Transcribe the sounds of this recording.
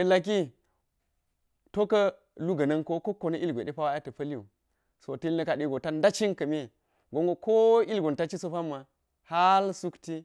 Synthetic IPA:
e˨la˨k̬i˦ | to˦kɐ˦ | lu˦ɡɐ˨nɐ˦nko˦ko˦kːo˨nɐ˦ʔi˦lɡʷe˨ɗe˦pa˦wa˦a˦tɐ˨pɐ˦li˦ṵ˨ | so˨tɐ˦lnɐ˦ka˨ɗi˦ɡo˨ta˦nda˦t͡ʃi˦nkɐ˨me˦˨ | ɡo˨ŋɡo˦ko˦i˦lɡo˨nta˦t͡ʃi˦so˦pa˦mːa˨ | ha˦lsu˦kti˦

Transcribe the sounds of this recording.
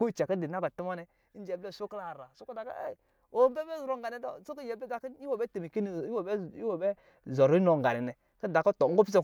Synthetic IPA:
o˦i˨t͡ʃa˨ki˦di˨na˦ko˨ti˦ma˦nɛ˨˦ | n˦d͡ʒe˨ble˦˨so˦kla˨ɾa˨so˦ko˦da˨ka̰˦ḛ˦˨ | o˨˦m˦be˦be˦zɾo˨˦ŋɡa˨ni˨˦dɔ̰˦so˦ki˦je˨be˦ɡa˨ki˦i˦wo˨be˦te˨mi˨ke˦ni˨i˦wbi˦wo˨be˦ | zɔ˨ɾo˦i˦no˨ŋ˨ɡa̰˨ni˨nɛ˨ | ki˦da˨ko˦tɔ˨ŋ̩˦ɡo˦pi˦s̬a˨

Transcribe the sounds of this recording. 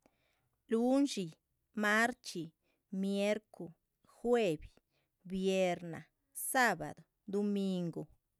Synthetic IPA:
lu˦nʃi˨ | ma˦ɾt͡ʃi˨ | mje˦ɾko˨ | xwe˦˨bi˨ | bje˧ɾna̰˨ | sa˦ba̰˨d̪o˨ | d̪o˧mi˧ŋɡo˨

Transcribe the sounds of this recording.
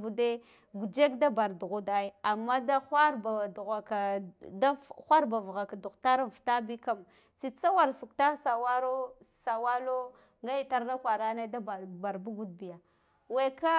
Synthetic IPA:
vu˨de˦ | ɡu˨d͡ʒe˦kda˦ba˨ɾdu˨ɣu˦da˨i˦a˨mːa˦da˦xʷa˦ɾba˨du˨ɣa˨ka˨da˦xʷa˦ɾba˨vɣa˨ka˨du˨kta˦ɾa˨n˨fta˦bi˦ka˨m | t͡si˨t͡sa˦wa˨ɾsu˨k̚ta˦sa˨wa˦ɾo˦sa˨wa˦lo˦ | ŋɡa˦ji˨ta˦ɾna˦kʷa˨ɾa˦ne˦da˦bba˨ɾbu˦ɡu˦d̚bi˨ja˨ | we˨ka˦

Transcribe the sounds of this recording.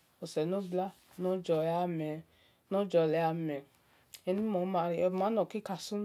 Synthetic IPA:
o˨sɛ˨no˦bla˦ | nõ˦d͡ʒɔ˧˨˦a˦mɛ˧˨ | nõ˦d͡ʒɔ˧˨lɛ˨˦a˧mɛ˨ | ɛ˧nĩ˦mɔ̃˨˦mã˧ɾi˧˦ɔ˧˨mã˨˦nɔ̃˨ki˦ka˧˨sũ˦

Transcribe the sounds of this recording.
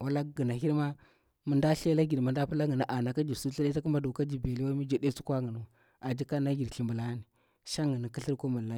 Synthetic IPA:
wa˦la˦ɡə˨na˨hi˦ɾma˦ | mu˨nda˦ɬe˦la˦ɡi˨dma˨nda˦pu˦la˦ŋɡə˨na˦ʔa˨na˨ka˦d͡ʒi˨su˦ɬa˦lta˦ku˦mba˦du˨ka˦d͡ʒi˨be˨li˦wa˦mi˦d͡ʒa˨de˦su˦kʷa˦ŋɡə˨nu˨ | a˨d͡ʒi˦ka˦na˦ɡi˨ɾɬi˨mbə˨la˦ni˨ | ʃa˦ŋɡə˨na˨ki˦ɬi˦ɾko˦mu˨la˦

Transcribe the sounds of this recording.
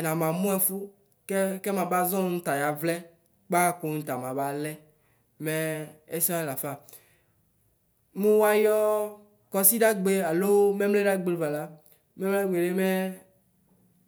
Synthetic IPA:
nã˨mã˨mũ˦ɛ˨fu˦ | kke˦mã˨ba˦zɔ̃˦t̪a˨ja˨vlɛ˦ | k͡pa˦ko˦ɲ̩̃˦t̪a˨mã˨ba˨lɛ˦ | me˦e˦sa˦˨la˨fa˨ | mũ˦wa˦jɔ˦ | kɔ˦si˦ɖa˦ɡ͡be˦a˨lo˦me˦mle˦ɖa˦ɡ͡be˨le˦˨va˨la˦ | mɛ˦mle˦ɡ͡be˨ɖe˦me˦

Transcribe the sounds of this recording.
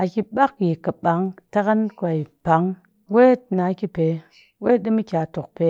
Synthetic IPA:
a˨ki˨ɓa˦kji˨ka˨ɓa˨˦ŋta˦ka˦nkʷa˨i˨pa˨˦ŋ | we˦tna˨˦ki˦pe˨˦ | we˦di˦mi˦kʲa˨to˨k̚pe˦

